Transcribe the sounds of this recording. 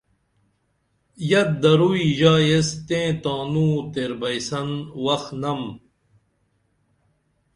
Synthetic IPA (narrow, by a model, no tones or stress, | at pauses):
jɐt̪̚d̪ɐɾuiʑaːjest̪ẽːt̪aːnũːt̪eɾbɐjsɐnwɐxnɐm